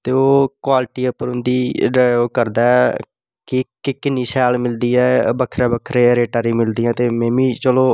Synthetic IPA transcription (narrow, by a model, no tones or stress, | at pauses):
t̪eːoːkwaːlʈiːəpːəɾʊ̃nd̪iːɖaːoːkəɾd̪aːɛ | kɪkɪkɪnːiːsɛːlmɪld̪iːɛːbəkʰɾɛːbəkʰɾeːɾeːʈaːɾiːmɪld̪iːɛ̃ːt̪eːmẽːmĩːt͡ʃəloː